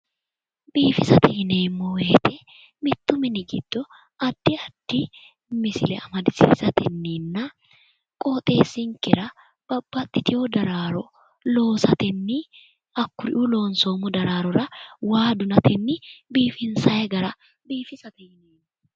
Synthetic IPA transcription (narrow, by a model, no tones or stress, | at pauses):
biːfɪsɐt̪ɛhɪneːmːɔweːt̪ɛ | mɪt̪ːʊmɪnɪɡɪ̰d̪̥ːɔ | ʔɐd̪̥ːɪɐd̪̥ːɪ | mɪsɪ̰lɛ̰ɐmɐd̪ɪsḭːzɐt̪ɛnːiːnːɐ | kʼoːt̪ʼe̞ːsːɪŋkːɪɾɐ | b̥ɐb̥ːɐt̪ʼːɪt̪ɪjod̪ɐɾaːɾɔ | lo̞ːsɐt̪ɛnːɪ | ɐkːʊɾɪ̰ʔulo̞ːnso̞ːmɔd̪ɐɾaːɾɔɾɐwaːd̪ʊnɐt̪ɛnːɪbiːfɪnsɐjɐɡɐɾɐ | biːfɪsɐt̪ɛhɪneːmːɔ